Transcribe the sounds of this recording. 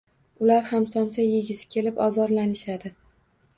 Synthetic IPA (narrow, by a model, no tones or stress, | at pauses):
ʊlaɾhamsɒmsajeɡʲɪzɪ̥kʲʰe̞lɪpɒzɒɾlanɪʃad̪ɪ